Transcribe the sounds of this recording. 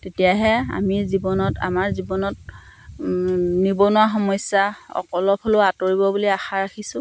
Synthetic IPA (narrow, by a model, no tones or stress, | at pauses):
tetijaɦɛa̰mizibɔnɔta̰maɹzibɔnɔt | nibɔnuwaxɔmɔsaɔ̰kɔlɔpʰoloatoɹibɔbuliaxaɹaxisʊ̃